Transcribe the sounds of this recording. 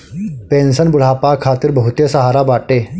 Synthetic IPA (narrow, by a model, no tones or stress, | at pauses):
pẽnsənbuɭ̤apakʰːat̪iːɾbəɦut̪jəsəɦaɾabaʈe